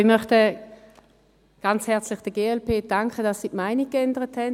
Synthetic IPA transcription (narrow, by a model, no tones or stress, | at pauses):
ɪmœχtə | ɡ̥ɑnt͡shɛɐt͡slɪχd̥əɡeːɛlpʰeːd̥aŋkʰəd̥ɑsːiːtmaɪniɡ̥ɛndəʁəthɛn